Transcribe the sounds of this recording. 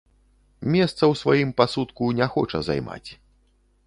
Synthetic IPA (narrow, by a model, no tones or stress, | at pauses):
mʲɛst̪sɐwsvajimpasut̪kunʲɛxɔt͡ʂɐ̰za̰jma̰t͡sʲ